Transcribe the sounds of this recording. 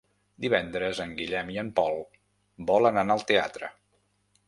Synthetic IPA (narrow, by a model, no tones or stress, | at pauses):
d̪iβɛnd̪ɾəzəŋɡiʎɛmiəmpɔlˠ | bɔlənanaəlˠt̪ea̰t̪ɾə̰